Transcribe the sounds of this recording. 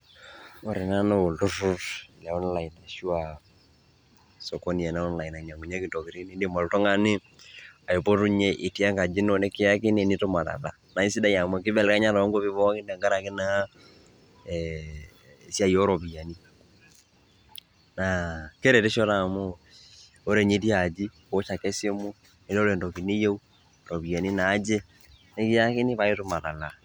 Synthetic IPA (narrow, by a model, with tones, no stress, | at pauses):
o˨ɾi˨na˦na˦o˨ldu˦ru˦ti˨la˨ɔ˦n˦la˨ji˨na˨ʃu˦wa˨ | sɔ˨ko˦ni˨jɛ˨na˦ɔ˦nla˨i˨na˨ɲa˨ŋu˨ɲe˦ki˨to˨ki˨ɾi˦ni˦ndi˦˨mɔ˨ltɔ˦ŋa˦nɪ˦ | a˨i˨po˦tu˦ɲe˦ʔi˨ti˦a˦ŋka˨d͡ʒi˦n˦o˨nɛ˦kɪ˦ja˦ki˦ne˨ni˦tu˦ma˨ta̰˨la̰˨na˨i˦si˦da˦ja˨mo˦k̬ɪ˦bɛ˦˨lka˦ɲa˦ɾa˨wa˦ŋɡo˦bi˦βɔ˦kɪ˦na˨ŋɡa˦ɾa˨kɪ˦na˦˨ | sja˦jo˦ɾɔ˨βi˨a˨ni˦ | na˨ke˦ɾɛ˨te˦ʃɔ˦ɾa˨mo˦ | o˦ɾe˨ɲe˦ti˦a˨d͡ʒi˦ | o˦ʃa˨kɛ˦sje˦mu˦ | e˨ɾɔ˦ɾɛ˨ndɔ˨ki˨ne˦je˦u˦ | ɾɔ˨βi˨a˨ni˦naː˨˦d͡ʒe˦ | ne˦ki˦a˦ke˦ni˦βa˦je˦to˨ma˨ða˨la˨